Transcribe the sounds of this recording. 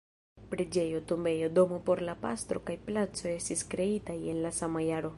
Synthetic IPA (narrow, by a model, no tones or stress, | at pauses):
pɾed͡ʒe̞jo̞tumbe̞jo̞do̞mopo̞ɾlapa̰st̪ɾo̞kajplat͡so̞e̞stiskɾe̞itaje̞nlasamajaɾo